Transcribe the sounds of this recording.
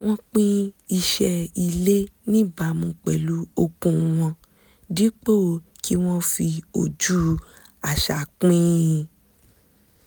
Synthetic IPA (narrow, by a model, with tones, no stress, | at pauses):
w̃ɔ̃˦k͡pĩ˦i˧ʃɛ˧i˧le˦nĩ˦ba˨mũ˧k͡pɛ˨lu˨˦o˧kũ˧w̃ɔ̃˧ | di˦k͡po˦˧˨ki˦w̃ɔ̃˦fi˧o̰˨d͡ʒu˦ | a˨ʃa˨k͡pĩ˦˨˧